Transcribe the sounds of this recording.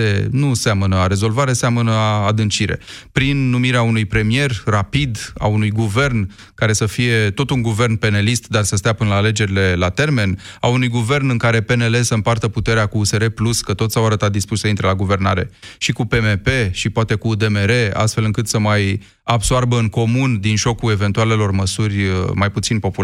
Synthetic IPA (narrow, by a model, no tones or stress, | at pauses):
enuseamənəaɾe̞zo̞lvaɾe̞seamənəad̪ɨnt͡ʃiɾe̞̰pɾinːumiɾeaunujpɾe̞mie̞rrapid̪a̰unujɡuve̞rn | kaɾe̞səfije̞t̪o̞t̪uŋɡuve̞rnpe̞nelist̪d̪arsəst̪eapɨnəlaːle̞d͡ʒe̞ɾile̞lat̪e̞rme̞naunujɡuve̞rnɨŋkaɾe̞pe̞ne̞le̞səɨmpart̪əput̪e̞ɾeakuːse̞ɾe̞pluskət̪o̞t̪ssawaɾət̪at̪̚d̪ispuʃʲsəint̪ɾelaɡuve̞rna̰ɾe̞̰ʃikupe̞mepe̞ʃipoat̪e̞kuːd̪e̞me̞ɾe̞a̰st̪fe̞lɨŋkɨt̪səmaj | absoarbəɨŋko̞mund̪inʒo̞kue̞ve̞nt̪uale̞lo̞rməsurʲmajput̪sinpo̞pul